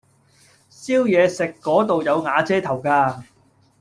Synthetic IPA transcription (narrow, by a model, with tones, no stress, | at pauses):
siː˥wjɛː˨˧sɪ˨kːɔː˨˥t̪o˨wjɐ˨˧wŋaː˨˧t͡sɛː˥t̪ʰɐ˨˩wkaː˧